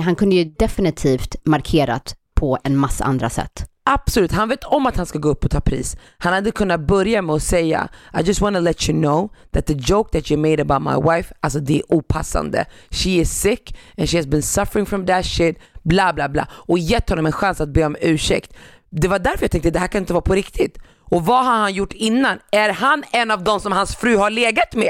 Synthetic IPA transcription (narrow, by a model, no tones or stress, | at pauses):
ɦankʰɵnd̪əjɵd̪ɛfɪnɪt̪ʰiːft̪maɾkʰeːɾa̰t̪pʰɔɛnmasːa̰ʔa̰nd̪ɾa̰sɛ̰t̪ː | ab̥sɔlʉ̟ːt̪hanveːt̪ʰɔmat̪hanskaɡoːɵpːɔt̪ʰɑːpʰɾḭːs | hanhad̪əkʰɵnːat̪̚bœɾjamɛɔsɛjːa̰ʔaɪd͡ʒʌst̪wɑnəlɛt͡ʃɨnoʊðæt̪̚ðəd͡ʒoʊk̚ðætjəmeɪɾəbaʊt̪ma̰ɪwaɪfals̬ɔd̪ɛʔuːpʰasa̰nd̪ə̰ʃiɪ̥sɪkɛnʃihæsbɪnsʌfəɾɪ̃ŋfɾɔ̃md̪æʃɪd̪blaːblaːbla̰ːɔjɛt̪ːhɔnːɔmɛnɧansat̪̚beːɔmʉ̟ːʂɛ̰kt̪ | d̪ɛvaɖæɾfəɾjat̪ʰɛŋkt̪əd̪ɛhɦæɾkʰanɪnt̪əvɑːpʰɔɾɪkt̪ʰɪt̪ | ɔvaɦahanjʊʈːɪnːanæɾhanɛnːɑvd̪ɔmsɔmhansfɾʉ̟ːhaɭeːɡat̪mɛ